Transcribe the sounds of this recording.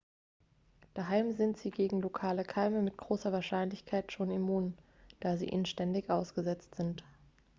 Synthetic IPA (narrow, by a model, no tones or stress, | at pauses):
d̥aɦaɪmzɪntz̥iːɡeːɡŋ̩lokʰaːləkʰaɪməmɪtɡ̥ʁoːsɐvaːɐʃaɪnlɪçkʰaɪtʃoːnimuːn | d̥aːzḭːʔḭːnnʃtɛndɪçʔaʊsɡ̥əzɛt͡stz̥ɪnt